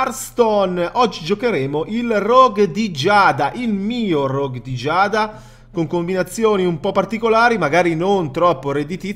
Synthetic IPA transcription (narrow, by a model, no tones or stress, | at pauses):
arst̪ɔnɔd͡ʒːid͡ʒokeɾɛːmoʔilrɔɡd̪id͡ʒaːd̪aʔilmiːorɔɡd̪id͡ʒaːd̪a | koŋkombinat̪sːjoːniumpɔpːart̪ikolaːɾimaɡaːɾinont̪ɾɔpːoɾed̪it̪i